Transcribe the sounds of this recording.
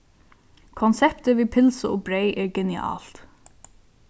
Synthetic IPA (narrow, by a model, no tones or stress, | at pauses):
kʰɔnsɛpt̪əviːpʰɪlsəoːbɾejʔɛːɹɡɛnɪɑ̰ːl̥t̪